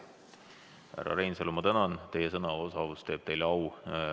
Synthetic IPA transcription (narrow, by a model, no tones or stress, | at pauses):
hæ̰rɑ̰ɾe̞jnselomɑt̪ænɑnt̪e̞jesɤnɑosɑvust̪e̞ːb̥t̪e̞jlɑw